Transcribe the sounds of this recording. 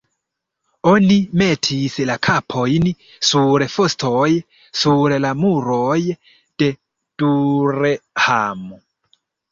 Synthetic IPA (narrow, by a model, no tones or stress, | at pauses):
o̞nime̞tʰislakʰapʰo̞jn | suɾfo̞sto̞j | suɾlamuɾo̞j | d̥e̞ | d̥uɾehamo